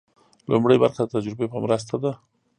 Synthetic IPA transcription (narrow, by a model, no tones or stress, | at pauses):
lʊmɽəjba̰ɾxad̪ət̪ad͡ʒɾɪbepəmɾəs̬t̪ad̪a